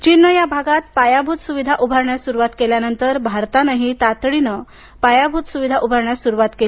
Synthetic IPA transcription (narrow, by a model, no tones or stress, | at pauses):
t͡ɕinːəjabʱaɡat̪̚pajabʱut̪suʋid̪ʱaʔubʱaɾɳjasuɾuʋat̪keljanənt̪əɾbʱaɾt̪anəɦit̪at̪ɽinə | pajabʱut̪suʋid̪ʱaʔubʱəɾɳjasuɾuʋat̪keli